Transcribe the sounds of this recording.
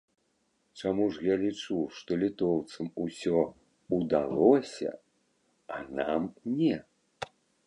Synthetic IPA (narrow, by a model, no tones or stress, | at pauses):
t͡ʂamuʐjalʲit͡ʂuʂt̪ɔlʲit̪ɔwt̪sɐmusʲɔ | ud̪a̰lˠɔsʲɐ̰ | anamnʲɛ